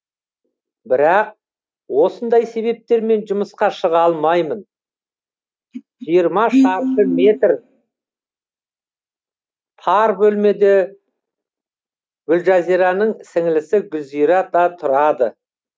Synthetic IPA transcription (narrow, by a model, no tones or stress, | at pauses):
bɪɾɑq̚ | wo̞sənd̪ɑjse̞βe̞p̚t̪e̞ɾme̞nʒʊməsqɑʃəʁɑlˠmɑjmən | ʒijəɾmɑʃɑɾt̪əme̞t̪r | t̪ʰɑɾbɵlme̞d̪e | ɡʏlʒɑziɾɑnəɴsɪŋɪlɪsɪɡʲʏzijɾɑt̪ɑt̪ʰʊɾɑd̪ə̰